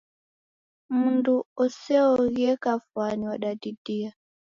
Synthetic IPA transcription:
munduɔsɛɔɣjɛkafwaniwaɗadidia

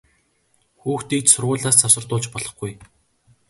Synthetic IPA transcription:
xuːxt̪iːk̚t̪sʊrʁʊːɮaːst͡sʰasə̆rt̪ʊːɮt͡ɕpɔɮɞ̆χɡuj

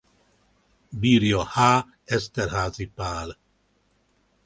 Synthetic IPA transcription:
biːrjɒhaː | ɛst̪ɛrhaːzipaːl

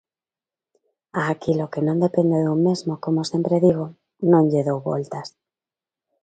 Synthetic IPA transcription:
aːkilokenõnd̪epend̪eðumezmokomosjempɾeðiɣ̞o | nõŋʎeðowβo̰lt̪as

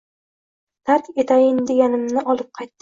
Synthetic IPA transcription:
d̪̥aɾk̪e̞t̪ʰajɪnd̪e̞ɡʲanɪmnɪʔɒlˠɪp̚qʰɑjt̪ː

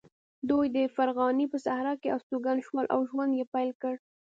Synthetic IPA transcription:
d̪ujd̪əfaɾɣɑnipəsahɾɑkeʔawst̪uɡanʃwɑlʔa̰wʒwand̪jepajlkəɽ

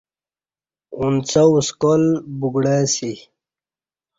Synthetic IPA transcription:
unt͡sauskolbuɡɽasi

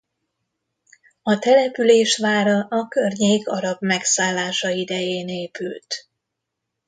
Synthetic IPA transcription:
ɒt̪ɛlɛpyleːʃʋaːɾɒʔɒkørɲeːkɒɾɒbmɛksaːlːaːʃɒid̪ɛjeːneːpylt̪

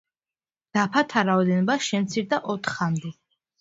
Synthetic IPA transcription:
d̪̥apʰat̪ʰaɾaɔd̪ɛnɔbaʃɛmt̪sʰiɾd̪aʔɔt̪ʰχamd̪ɛ

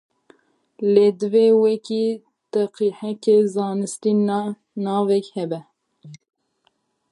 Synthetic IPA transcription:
leːd̪ɨveːwɛkiː | t̪ɛqiħɛkeːzɑːnɨst̪iːn | nɑːvɛkhɛbɛ

